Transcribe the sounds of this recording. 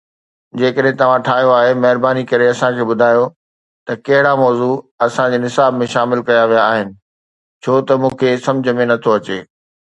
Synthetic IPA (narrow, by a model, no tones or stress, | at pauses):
d͡ʑeːkəɗɦẽt̪ɐʋ̤ãʈʰaːɦijoaːɦemɐɦɪɾbaːnikɐɾeɐsãkʰeːɓʊd̪ʱaːjo | t̪ɐkɐɦɪɽamɔːzuɐsãd͡ʑeːnɪsaːbmẽʃaːmɪlkɐjaʋijaːɦɪnɪ̆ | t͡ɕʰoːt̪ɐmũːkʰesɐ̃md͡ʑʱəmẽnɐt̪ʰoɐt͡ɕeː